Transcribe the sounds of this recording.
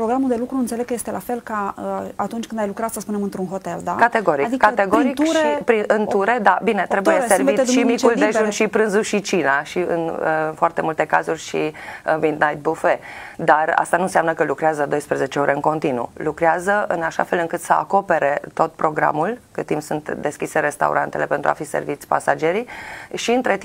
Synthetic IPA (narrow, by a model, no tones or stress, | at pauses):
pɾoɡɾamuld̪elukɾuɨnt̪seleɡ̚kəjest̪e̞lafe̞lkaat̪unt͡ʃkɨnd̪ajlukɾat̪səspune̞mɨnt̪ɾunɦo̞t̪e̞ld̪akat̪eɡo̞ɾikd̪kat̪eɡoɾik̪ʃɾipɾiɨnt̪uɾe̞d̪abine̞t̪ɾe̞b̪ujeservit̪ʃimikuld̪eʒʒunʃipɾɨnzuʃit͡ʃinaʃiɨ̰nə̰foart̪e̞mult̪e̞ka̰zurʲʃimid̪najt̪̚bufe̞d̪ara̰st̪anunseamnəkəlukɾeazəd̪o̞jspɾeze̞t͡ʃeo̞ɾʔəɨŋko̞nt̪inṵlukɾeazəʔɨnaʃa̰fe̞lɨŋkɨt̪səa̰ko̞pe̞ɾe̞t̪o̞t̪̚pɾo̞ɡɾa̰mulkɨt̪ːimpsunt̪d̪e̞skʲise̞ɾe̞st̪a̰ṵɾʔant̪e̞le̞pe̞nt̪ɾua̰fisḛrvit̪sʲpa̰sad͡ʒe̞ɾiʃiɨnt̪ɾe̞t̪i